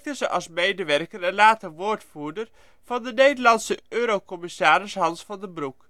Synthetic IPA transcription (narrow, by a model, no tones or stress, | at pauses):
k̚təzəʔɑlˠsmejdəʋɛrkərɛnlaːtəʋoːɹtfuːdər | v̥ɑndənejdəlɑnsəøːɾokɔmɪsaːɾɪsɦɑnsfɑndəbruk